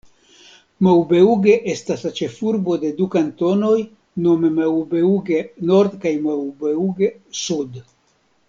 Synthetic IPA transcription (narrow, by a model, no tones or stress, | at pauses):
mawbe̞uɡe̞ʔe̞staslat͡ʃe̞fuɾbo̞de̞dukanto̞no̞j | no̞memawbeuɡe̞no̞ɾd̪kajmawbeuɡesud